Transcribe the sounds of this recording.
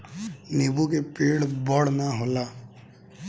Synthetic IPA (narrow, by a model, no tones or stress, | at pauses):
nibukepeːɽbɔɽnaɦola